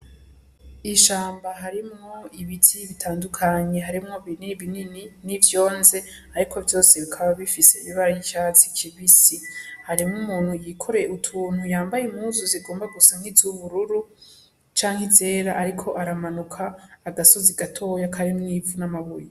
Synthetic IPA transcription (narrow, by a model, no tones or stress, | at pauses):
iʃaːmbaɦaɾimŋo̞iβitʰiβitʰaːndukʰaɲe̞ɦaɾimŋo̞βiniβinininivjo̞ːnze̞ | aɾikʰo̞vjo̞ːseβikʰaβaβifiseiβiβaɾajiʃat͡sikʰiβisihaɾimŋumuːn̥hujikʰo̞ɾeutʰuːnhujaːmbajemuzoziɡo̞ːmbaɡusaŋ̥hizuβuɾuɾu | t͡ʃaːŋhize̞ːɾaʔaɾikʰo̞ʔaɾamanukʰaːɡasoziɡatʰo̞ːjakʰaɾimniːvunamaβuje